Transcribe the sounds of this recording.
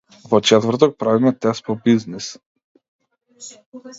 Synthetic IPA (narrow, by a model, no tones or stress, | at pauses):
vɔt͡ʃɛt̪vərt̪ɔk̚pɾavimɛt̪ɛst̪̚pɔbiznis